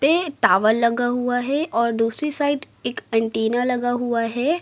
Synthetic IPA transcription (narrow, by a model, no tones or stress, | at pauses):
peʈaːʋəlːɐɡaɦuaɦɛʔɔːɾd̪uːsɾisaːɪɖ | eːkɐ̃ɳʈiːnalɐɡaɦuaɦɛː